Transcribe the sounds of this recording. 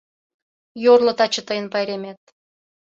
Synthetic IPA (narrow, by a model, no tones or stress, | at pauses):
jorlŏt̪ɑt͡ɕə̆t̪əjənpɑjɾemet̪̚